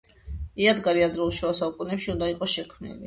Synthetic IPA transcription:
iad̪ɡaɾiad̪ɾɛulˠʃuasaukʼunɛpʃiund̪aiqʼɔʃɛkʰmnḭli

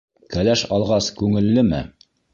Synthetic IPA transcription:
kælæʃɑlˠʁɑskʉŋɘ̆lːɘmɘ̰

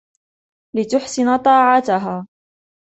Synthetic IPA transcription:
lɪt̪ʊħsɪnt̪ˤɑːʕat̪ʊɦaː

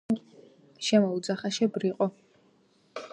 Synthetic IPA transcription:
ʃɛmɔud̪zaχaʃɛbɾiqʼɔ

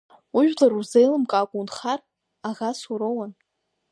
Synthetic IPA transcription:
uʒᶣlaruzejlɨmkʼaːkʷʼunχar | aʁasuɾowan

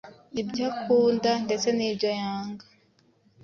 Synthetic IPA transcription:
nibɟakuːndande̞t͡se̞niːbɟojaːŋɡa

